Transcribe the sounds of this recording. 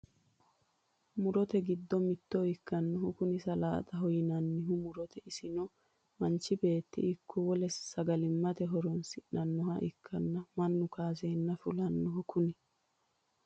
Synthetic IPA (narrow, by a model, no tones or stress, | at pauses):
mʊɾɔt̪ɛɡɪd̪ːɔmɪt̪ːɔɪkːɐnːɔhʊkʊnɪsɐla̰ːt̪ʼɐɦɔjɪnɐnːɪɦʊmʊɾɔt̪ʰɛɪsɪnɔ | mɐnt͡ʃːɪbe̞ːt̪ːɪ̰ɪkʰːɔwɔlɛssɐɡɐlɪmːɐt̪ɛɦɔɾɔnsɪʔnɐnːɔɦɐʔɪkʰːɐnːɐmɐnːʊkaːseːnːɐfʊlɐnːɔɦʊkʊnɪ